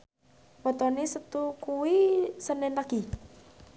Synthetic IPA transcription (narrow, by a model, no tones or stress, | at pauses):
wɔt̪ɔnisət̪ukuwisənɛnlaɡ̥i